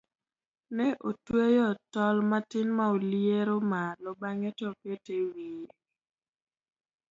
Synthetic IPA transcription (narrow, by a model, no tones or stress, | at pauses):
nɛʔotwejɔtɔlmatɪnmaoljeɾomalɔbaŋɛtɔpetewi